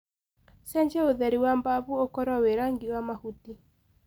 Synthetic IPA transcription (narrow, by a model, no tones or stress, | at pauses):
sɛɲt͡ʃɛoðɛɾiwambabuokɔɾɔweɾaŋɡiwamahuti